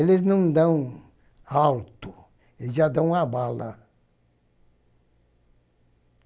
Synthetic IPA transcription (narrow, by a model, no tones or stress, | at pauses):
elɪznɐ̃w̃d̪ɐ̃w̃ | awt̪ʊ | eʒad̪ɐ̃w̃abalɐ̰